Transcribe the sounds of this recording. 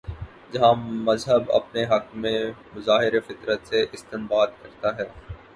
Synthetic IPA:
d͡ʒɐɦãmɐzɦəbɐ̰pneɦɐkmẽmʊzaːɦɪɾefɪt̪ɾət̪seʔɪst̪ɪnbaːd̪kɐɾt̪aɦɛː

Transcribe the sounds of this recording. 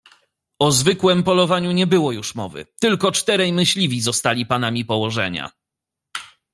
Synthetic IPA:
ɔzvɘkwɛmpɔlɔvaɲuɲɛbɘwɔjuʂmɔvɘ̰t̪ɘlkɔt͡ʂt̪ɛɾɛjmɘɕlʲivʲizɔst̪alʲipanamʲipɔwɔʐɛ̰ɲa̰

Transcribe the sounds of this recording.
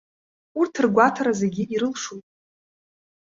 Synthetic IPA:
urtʰɨrɡʷatʰaɾazeɡʲiiɾɨlʂujtʼ

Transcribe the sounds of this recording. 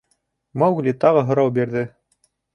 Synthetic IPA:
mɑwɣlʲit̪ɑʁɤɦŏɾɑwbiɾðɘ

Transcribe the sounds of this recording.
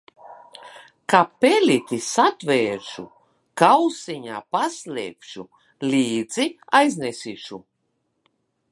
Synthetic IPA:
kapelʲit̪ʲisat̪veːɾʃu | kawsiɲa̰ːpaslʲɛːpʃu | lʲiːd̪ziajznʲesiʃu

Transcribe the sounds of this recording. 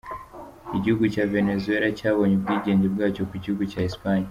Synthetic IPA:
kiɟuɡut͡ʃavenɛzuɛlat͡ʃawɔɲibɡiʄɛɲd͡ʒibɡat͡ʃɔkiciuɡut͡ʃaispaɲa

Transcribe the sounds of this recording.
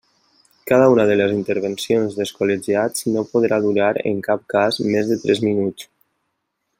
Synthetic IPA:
kaðəunəðələzint̪əɾβənsionzðəskoleʒiad͡znopoðɾaðuɾaɾə̰ŋkap̚kazmezðət̪ɾɛzminut͡s

